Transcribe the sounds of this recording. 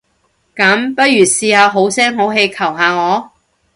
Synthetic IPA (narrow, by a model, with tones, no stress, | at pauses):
kɐ˨˥mpɐ˥t̚jyː˨˩siː˧haː˨˧ɦo˨˥wsɛː˥ŋɦo˨˥wɦe˧jkʰɐ˨˩wɦaː˨˧ŋɔː˨˧